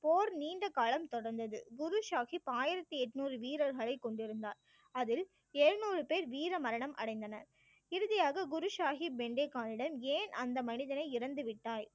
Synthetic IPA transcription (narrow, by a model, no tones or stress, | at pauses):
poːɾniːɳɖɐkːaːlɐmt̪ɔɽɐɾnd̪ɐðɯ̰ɡʊɾʊʂaːxipaːjɪɾɐt̪ːiɛʈːɯnuːrɯʋiːɾɐɾɣɐɭɐɪkːɔɳɖɪɾɯnd̪aːɾ | ɐðɪl | eːɻnuːrɯpeːɾʋiːɾɐmɐɾɐɳɐmʔɐ̰ɽɐɪnd̪ɐnɐɾ | ɪɾɯðɐjaːɣɐɡʊɾɯʃaːɣibɛɳɖeːkːaːnɪɽɐmeːnʔɐnd̪ɐmɐnɪðɐnɐɪɪɾɐnd̪ɯʋɪʈːaːj